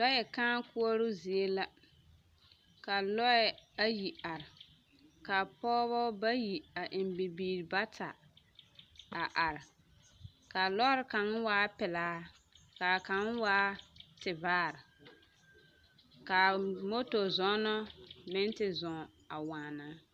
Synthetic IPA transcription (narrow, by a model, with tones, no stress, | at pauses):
lɔ˦jɛ˨kãː˦ku˦o˦ɾʊ˦zi˨e˦la˦ | ka˨lɔ˦ɛ˨a˦ji˨a˨ɾɪ˨ | ka˨pɔː˦βɔ˦ba˦ji˨a˨ʔɪ˨m˦bi˨biː˨ɾba˦tʰa˨ | a˨ʔa˨ɾɪ˨ | ka˨lɔ˦ɾɪ˨˦ka˨ŋ˦waː˦pɪ˨laː˨˦ | ka˨ka˦n˦waː˦tɪ˨vaː˦˨ɾɪ˨ | ka˨mo˦to˨zɔ˦nɔ˦mɪ˦n˦tɪ˨zɔ̃˨ | a˨waː˨naː˦